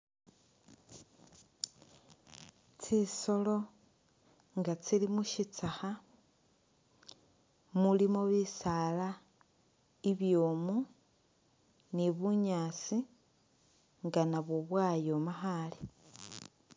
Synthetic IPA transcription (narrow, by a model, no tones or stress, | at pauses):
t͡siso̞lo̞ | ŋɡat͡silimuʃit͡saxa | mulimoβisaːla | iβjoːmu | niβuɲaːt͡si | ŋɡanaβwoβwaːjo̞maxale